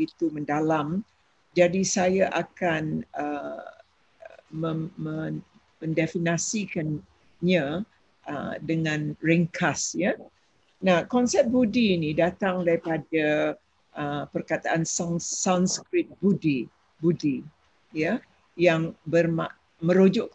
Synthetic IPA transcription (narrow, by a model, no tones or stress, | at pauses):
it̪umə̃ndalam | d͡ʒadisajaʔakanə | məə | mə̃ndɛfinasikan | ɲã | ʔə̰dəŋãnrɛŋkʰasja | nahkɔnsɛp̚budiːnidat̪aŋdaɾipada | ʔəpərkat̪aʔansaŋsanskɾɪt̪̚budi | budi | ja | jaŋbərma | mə̃ɾod͡ʒɔʔ